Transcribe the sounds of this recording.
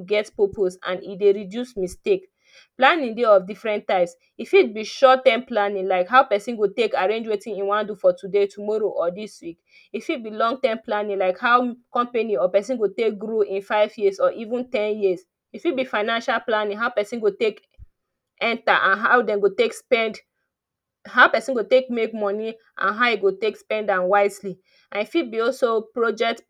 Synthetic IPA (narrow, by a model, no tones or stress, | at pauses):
ɡɛtpopʰosã̰nḭdeɹidjusmistek | planĩŋdeɔfdifɹɛ̃ntːaɪps | ifid̚biʃɔttːãmplanĩŋlaɪkɦaʊpɛsĩnɡotekaɹẽnd͡ʒwetĩnĩnwãndufɔtudetumɔɹoʔɔdiswik | ifid̚bilɔ̃ŋɡ̚tãmplanĩŋlaɪkhaʊkɔ̃mpeniɔpɛs̬ĩnɡotek̚ɡɹoĩnfaɪvjizɔʔivũntɛ̃njis | ifibifaɪnãnʃalplanĩŋɦaʊpɛsĩnɡotek | ɛ̃ntaʔãnɦaʊdɛ̃nɡotekspɛ̃nd | hɦaʊpɛsĩnɡotekmekmɔni | ʔã̰nɦaʊiɡotekspɛ̃ndãnwaɪzli | ãnifibiɔlsopɹod͡ʒɛk̚t